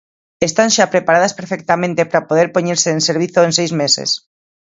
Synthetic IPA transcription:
est̪anʃapɾepaɾað̞aspeɾfek̚t̪amẽnt̪epɾapoð̞eɾpoɲeɾseːnseɾβ̞iθoensejzmesḛs

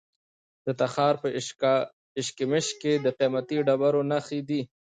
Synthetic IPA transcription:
d̪̥ət̪axɑːɾpə | ɪʃkɪmɪʃked̪əqemat̪iɖabaɾonaxid̪i

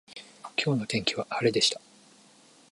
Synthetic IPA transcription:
kʲʰo̞ːno̞t̪ẽ̞ŋkʲiβaaɾe̞d̪e̞ɕi̥t̪ḁ

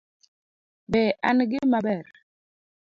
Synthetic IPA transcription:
bɛʔanɡɪmabɛɾ

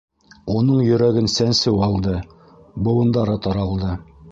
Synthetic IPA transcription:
unɤɴjɵ̆ɾæɡɘnsænsɘwɑlˠd̪ɤ | bɤ̆wɤ̆nd̪ɑɾɤt̪ɒɾɑlˠd̪ɤ

